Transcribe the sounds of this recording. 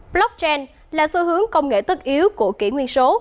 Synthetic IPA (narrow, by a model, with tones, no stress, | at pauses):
blɔ˦˥k̚t͡ɕɛ˧n | laː˨˩sɨ˧ɦɨ˨˦əŋkə˧wŋ͡mŋḛ˧˩t̪ɨ˦˥k̚ʔi˨˦əwku˧˩əkḭ˧˩ŋwi˧ənso˨˦